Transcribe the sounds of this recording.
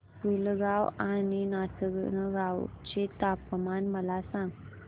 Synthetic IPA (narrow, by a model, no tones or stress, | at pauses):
pulɡawaninasəɡnəɡawt͡ɕet̪apəmanməlasãŋɡ